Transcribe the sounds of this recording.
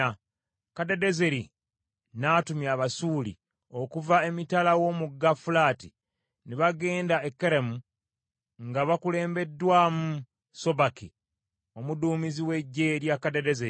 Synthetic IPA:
kadede̞ze̞ɾi | naːtumjaβasuːlḭ | o̞kuvae̞mitalawo̞muɡafulaːti | niβaɡe̞ːndaekːeɾemu | ŋɡaβakule̞ːmbe̞dːwaːmu | so̞baki | o̞muduːmiziwe̞ɟːe̞ɾjakadedeze

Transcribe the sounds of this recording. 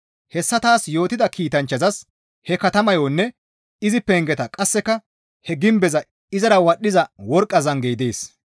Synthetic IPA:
hɛsːɐt̪aːsjo̞ːt̪ɪd̪ɐkiːt̪ɐnt͡ʃːɐzɐs | hɛkɐt̪ɐmɐjonːɛ | ɪzɪpːɛŋɡɛt̪ɐkʼɐsːɛkːɐ | hɛɡɪmbɛzɐ | ɪzɐɾɐwɐɗːɪzɐwɔɾkʼːɐzɐŋɡejd̪eːs

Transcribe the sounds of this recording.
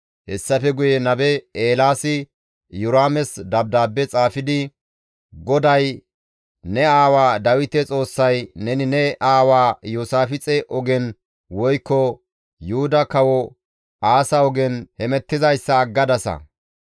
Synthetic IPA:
hɛsːɐfɛɡʊjɛnɐbɛeːlaːsɪ | jʊɾaːmɛsd̪ɐb̚d̪aːbːɛt͡sʼaːfɪd̪ɪ | ɡɔd̪ɐj | nɛaːwaːd̪ɐwɪt̪ɛt͡sʼo̞ːsːɐjnɛnɪnɛʔaːwaːjoːsaːfɪt͡sʼɛʔɔɡɛn | wɔjkːɔ | jʊhʊd̪ɐkɐwɔ | aːsɐɔɡɛnhɛmɛt̪ːɪzɐjsːɐːɡːɐd̪ɐsɐ̰

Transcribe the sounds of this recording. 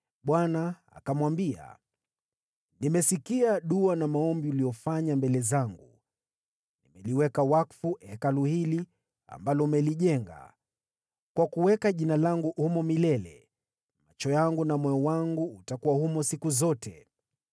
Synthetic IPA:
ɓwana | a̰kamwambia̰ | nimɛsikiaɗuanamaɔmbiulijɔfaɲambɛlɛzaŋɡu | nimɛliwɛkawakfuʔɛkaluhili | a̰mbalɔmɛliʄɛŋɡa̰ | kwakuwɛkaʄinalaŋɡuʔhumɔmilɛlɛ̰ | mat͡ʃɔjaŋɡunamɔjɔwaŋɡuːtakuwahumɔsikuzɔtʰɛ

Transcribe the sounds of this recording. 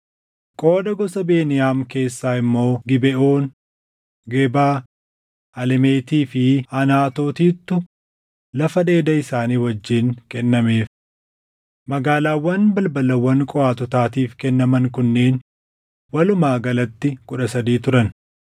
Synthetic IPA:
kʼo̞ːd̪ɐɡɔsɐbe̞ːnɪjaːmke̞ːsːaːɪmːo̞ːɡɪbɛʔo̞ːn | ɡeːbaː | ɐlɛmeːt̪iːfɪɐnaːt̪o̞ːt̪iːt̪ːʊ | lɐfɐd̪e̞ːd̪ɐɪsaːniːwɐd͡ʒːɪːŋkɛnːɐmeːf | mɐɡaːlaːwːɐnbɐlbɐlɐwːɐŋkʼɔaːt̪ɔt̪aːt̪iːfkɛnːɐmɐŋkʊnːe̞ːn | wɐlʊmaːɡɐlɐt̪ːɪkʊᶑɐsɐd̪iːt̪ʊɾɐn

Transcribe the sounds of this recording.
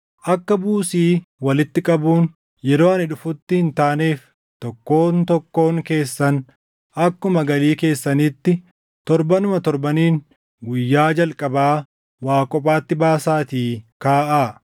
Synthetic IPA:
ʔɐkːɐbuːsiːwɐlɪt̪ːɪkʼɐbuːn | jɛɾo̞ːɐnɪᶑʊfʊt̪ːɪhɪnt̪aːneːf | t̪ɔkːo̞ːnt̪ɔkːo̞ːŋke̞ːsːɐn | ʔɐkːʊmɐɡɐliːke̞ːsːɐniːt̪ːɪ | t̪ɔɾbɐnʊmɐt̪ɔɾbɐniːn | ɡʊjːaːd͡ʒɐlkʼɐbaː | waːkʼɔpʼaːt̪ːɪbaːsaːt̪iːkaːʔaː

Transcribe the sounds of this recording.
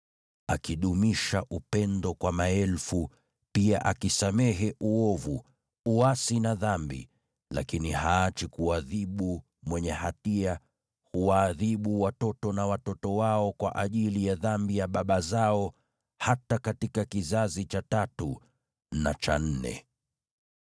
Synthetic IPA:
akiɗumiʃaʔupɛndɔkwamaɛlfu | piaʔakisamɛɦɛʔuɔvu | uasinaðambḭ | la̰kinihaːt͡ʃikuaðiɓu | mwɛɲɛhatia | huwaːðiɓuwatɔtɔnawatɔtɔwaɔkwa̰ʔaʄilijaðambijaɓaɓazaɔ | hatakatikakizazit͡ʃatatu | na̰t͡ʃa̰n̩nɛ̰

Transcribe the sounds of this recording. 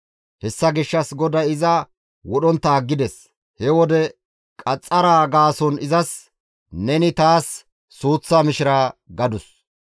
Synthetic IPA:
hɛsːɐɡɪʃːɐsɡɔd̪ɐɪzɐ | wɔɗɔnt̪ːɐːɡːɪd̪ɛs | hɛwɔd̪ɛ | kʼɐt͡sʼːɐɾaːɡaːsɔnɪzɐs | nɛnɪt̪aːsː | uːt͡sːaːmɪʃɪɾaːɡɐd̪ʊs

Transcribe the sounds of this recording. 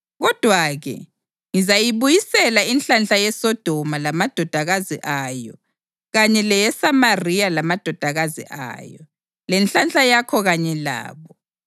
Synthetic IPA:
ɣɔd̥ʱwaɣɛ̰ | ŋizajiβujisɛlainɬanɬajɛsɔd̥ʱɔmalamad̥ʱɔd̥ʱaɣazḭʔajɔ | ɣaɲɛlɛjɛsamarijalamad̥ʱɔd̥ʱaɣazḭʔa̰jɔ | lɛnɬanɬʼajakʰɔɣaɲɛla̰ːβɔ

